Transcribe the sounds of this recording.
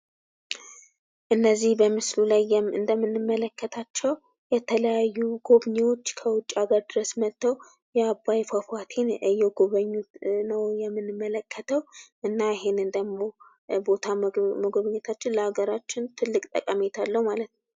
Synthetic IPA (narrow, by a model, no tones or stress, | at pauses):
ʔɨnːəzːihbəmɨslulajɛɨnd̪əmːɨnːɨmːələkːət̪ʰat͡ʃːɛw | jɛt̪ʰələjajːuɡo̞βɲewo̞t͡ʃːkʰəwʊt͡ʃʼːaɡəɾd̪ɨɾəsmət̪ːəw | jɛabːajfafat̪ʰe̞nɨjɛɡoβəɲːunəwjɛmːɨnːɨmːələkʰːət̪ʰəwʔɨnːajɪɦe̞nɨnd̪əmo̞ | bo̞t̪ʰaməɡoβəɲːɛt̪ʰat͡ʃːɪnləhaɡəɾat͡ʃːɪnt̪ʰɨlːɨkʼt̪ʼə̰kʼamet̪ʰalːəwmalət̪nəw